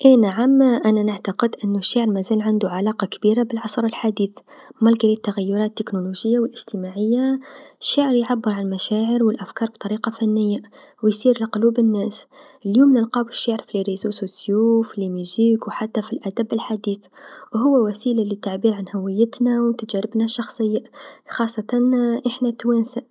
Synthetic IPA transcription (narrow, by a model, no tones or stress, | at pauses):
ʔenaʕamːʔænanaʕt̪aqəd̪ʔɪnːʊʃːaʕɾmæzæːlʕand̪uʕalɑːqɑkbiːɾabɪlʕɑsˤɾˤɪlħad̪iːθmɑlɡɾit̪ːaɣæjːʊɾˤɑːt̪ːɪknuluʒɪjːawɪlʔɪʒ̥t̪əmaʕɪjːaʃːaʕɾjʕabːəɾʕalmæʃaːʕəɾwɪlʔafkɑːɾˤb̚t̪ˤɑɾiːqɑfænːɪjːa | wjsiːɾləqʊluːbɪnːæːsʔəljuːmnəlqɑːwɪʃaʕɾəfliɾisusʊsjuːflimjuziːkwħat̪ːafilʔæd̪æbːɪlħad̪iːθwɦʊwːæwæsiːlalit̪ːaʕbiːɾʕanhawɪjːət̪nawt̪ad͡ʒæɾɪbnaʃːɑxsˤəjːaxɑːsˤːɑt̪ɑnʔəħnat̪wænsaʔ